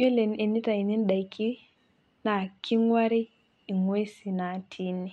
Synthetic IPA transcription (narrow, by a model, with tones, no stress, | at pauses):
e˦le˨n˨e˨ni˦ta˨i˨ni˦n˦ɗa˨i˨kʰi˦ | na˨kʰi˦ŋwa˦ɾi˦ | i˨ŋwe˦si˨na˨tʰi˦ni˨